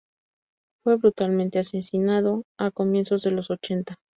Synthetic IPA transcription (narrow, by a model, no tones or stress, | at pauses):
fwe̞βɾut̪alment̪e̞asesinaðo̞ako̞mje̞nso̞zðe̞lo̞so̞t͡ʃe̞nt̪a